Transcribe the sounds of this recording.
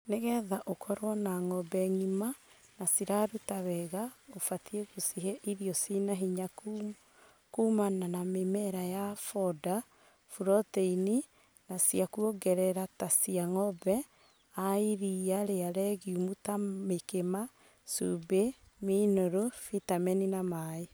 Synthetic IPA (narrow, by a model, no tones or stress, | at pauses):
neɣɛðaʔokʰɔɾwɔnaŋɔbɛŋima | nasiɾaɾutaβɛɣaofatʰieɣosiɦeʔiɾiɔsinaɦiɲa | kumananamemɛɾajafɔda | fuɾɔteini | nasiakuoɡɛɾɛɾatasiaŋɔbɛ | aiɾiaɾeaɾɛɣiumutamekema | sube | minoɾofitamɛninamae